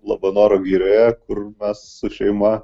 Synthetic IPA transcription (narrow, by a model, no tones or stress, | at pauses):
lˠɑːbɐnoːɾoːɡʲiːɾʲeːkʊrmʲɛssʊʃʲɛɪmɐ